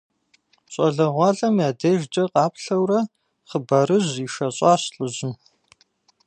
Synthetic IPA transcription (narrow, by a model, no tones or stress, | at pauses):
ɕʼɐɮɐʁʷɑːɮɐmjaːdɐʒd͡ʒʼɐqɑːpɬɐwrɐ | χəbɐɾɨʑiːʃɐɕʼɑːɕɬʼɨʑɪm